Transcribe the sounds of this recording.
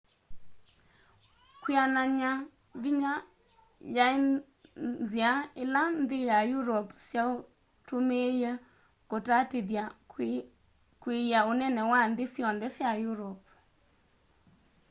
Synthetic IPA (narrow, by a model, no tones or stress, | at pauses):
kwianaɲa | bɪɲa | jaɪ | ziaɪlandɪjajuɾɔpsjau | tumeje | kotatidja | kwijaʊnɛnɛwandɪsjɔndɛsjajuɾɔp̚